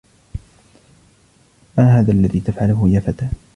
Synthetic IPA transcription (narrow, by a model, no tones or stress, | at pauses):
maːɦaːðaːʔlːaðiːt̪afʕalʊɦʊjaːfat̪aː